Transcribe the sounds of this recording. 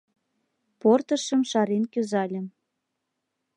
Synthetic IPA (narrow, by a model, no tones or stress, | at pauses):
port̪ə̆ʃə̆mʃɑɾenkøzɑlʲə̆m